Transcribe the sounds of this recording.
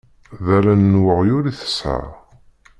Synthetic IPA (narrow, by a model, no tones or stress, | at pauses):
ðælænːwəʁjʊɾiθə̥sʕa̰